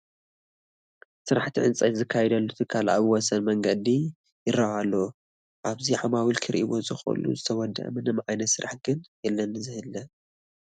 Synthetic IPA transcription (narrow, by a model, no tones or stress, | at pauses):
sɨɾaħt̪ʰiʕɨnt͡sʼɐzɨkʰːajɛd̪ɐlːut̪ʰɨkʰːalʔa̰βwɔsɐnmɐŋɡɐd̪i | jɪɾɐʔalːo | ʔaβziʕamawilkʰɨɾʔḭwo̞zɨxṵlṵzɨt̪ʰɐwɔd̪ɐ̰ʔɐ̰mɨnɨmʕajnɐt̪sɨɾʔaħɡɨnjɛlːɐnɨzɨhɨlːɐ